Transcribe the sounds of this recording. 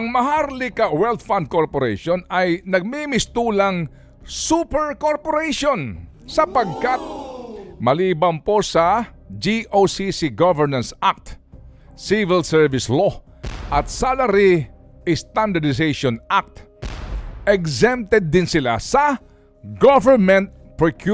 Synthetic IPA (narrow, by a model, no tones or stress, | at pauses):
ʔɐŋmɐɦaɾlɪkɐwɛlt̪fand̪̚koɹpoɾɛ̰ʃonɐjnɐɡ̚mimɪst̪uːlɐŋ | supɛɹkoɹpoɾejʃon | sɐpɐɡ̚kat̪̚mɐliːbɐmpo̞sɐ | d͡ʒiʔosisiɡavɛɹnɐnsak̚t̪ | sivɪlsɛɹvɪslo | ʔɐt̪̚salɐɾi | ɪst̪and̪ɐd̪ɪsejʃɔnʔak̚t̪ | ʔɛɡsɛmp̚t̪ɛd̪ːɪnsɪla̰sɐ | ɡovɛɹmɛnt̪̚ | pɹokʰu